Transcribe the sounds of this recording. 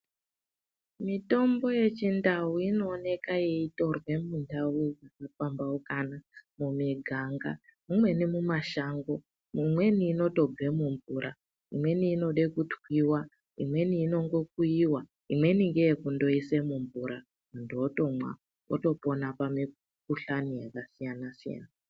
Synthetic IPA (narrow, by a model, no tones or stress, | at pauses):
mito̞mbo̞je̞t͡ʃindawuino̞ːne̞kajeito̞rwe̞mundʱawuakafambaukanamumiɡʱaŋɡa̰mumwe̞nimumaʃaːŋɡo̞ | mumwe̞niːno̞to̞b͡ve̞muɱvurʔa | imwe̞niːno̞ɗekutwiwa | ḭmwe̞niːno̞ŋɡo̞k̚uiwa | imwe̞niŋɡejekundo̞isemuɱvuɾa | munduoto̞mwa̰ | o̰to̞po̞napami | kuɬanijakasijanasija̰ːna